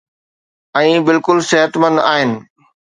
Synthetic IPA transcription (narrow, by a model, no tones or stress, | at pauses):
ɛ̃ːbɪlkʊlsɪɦət̪mɐ̃nd̪aːɦɪnɪ̆